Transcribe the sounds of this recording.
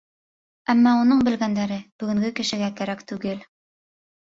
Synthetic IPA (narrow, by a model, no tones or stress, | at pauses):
æmːɑunɤɴbɘ̆lɡænd̪æɾɘb̥ɵ̆ɡɘ̆ŋɡɘkɘ̆ʃɘ̆ɡækæɾækt̪ʉɡɘl